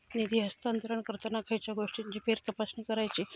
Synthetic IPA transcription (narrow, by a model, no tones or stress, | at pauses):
nid̪ʱiːɦəst̪ant̪əɾəɳkəɾt̪ənakʰajt͡ɕjaɡoʂʈiɲt͡ɕiːfeɾt̪əpasniːkəɾajt͡ɕiː